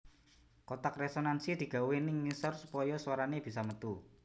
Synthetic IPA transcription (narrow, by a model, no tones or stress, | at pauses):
kot̪akresonansid̪̥i̤ɡ̥a̤wenɪŋːisɔrsupɔjɔswaɾaneb̥i̤s̬amət̪u